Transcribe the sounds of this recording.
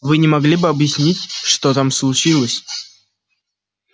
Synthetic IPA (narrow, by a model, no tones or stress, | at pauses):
vɨnʲɪmɐɡlʲibɨɐbjɪsʲnʲitʲʂt̪ot̪amslˠʊt͡ɕilˠəsʲ